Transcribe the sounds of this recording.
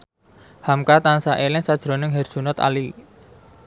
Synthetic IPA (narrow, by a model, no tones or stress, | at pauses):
hamkat̪ansaʔelɪŋsad̥ʒ̥ɾo̤nɪŋɦɛrd̥ʒ̥ṳnɔt̪a̰li